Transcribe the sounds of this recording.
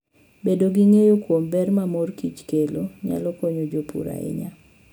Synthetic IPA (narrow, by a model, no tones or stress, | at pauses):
bedoɡiŋejokwombɛrmamorkit͡ʃkeloɲa̰lɔkoɲod͡ʒopṵɾa̰ɪ̰ɲa